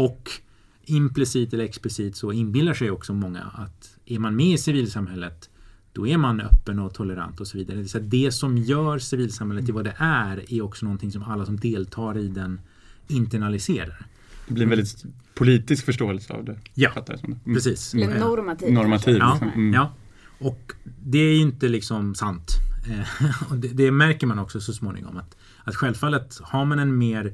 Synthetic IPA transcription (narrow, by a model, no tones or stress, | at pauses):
ɔk | ɪmplɪsiːt̪ɛlːəɾɛksplɪsiːt̪sɔɪnbɪld̪aʂɛjɔksɔmɔŋːa̰at̪ | æɾmanmɛɪsɪviːlsamhɛlːət̪d̪̥ɔæɾmanœ̰pːənɔt̪ʰɔlːəɾa̰nt̪ɔsɔviːd̪aɾəd̪ɛsɛat̪̚d̪ɛsɔmjœːɾsɪviːlsamhɛlːət̪ʰːɪlvad̪ɛʔæɾæɾɔksɔnɔnt̪ʰɪŋsɔmalːasɔmd̪eːlt̪ʰɑːɾɪd̪ɛn | ɪnt̪æɳalɪseːɾa̰ɾ | d̪̥ɛbliɾɛnvɛld̪ɪt̪pʰʊliːt̪ɪskfœʂʈoːɛlsəa̰vd̪ɛjafat̪ːaɾsɔmd̪ɛpɾɛsiːs | nɔɾmat̪ʰiːjɑːjɑː | ɔkd̪ɛæɾjɪnt̪əlɪksɔmsant̪ | ɔd̪ɛd̪ɛmæɾkəɾmanɔksɔsɔsmoːnɪ̰ŋɔ̰mat̪ | at̪ɧɛlvfalːət̪haɾmanɛnmeːɾ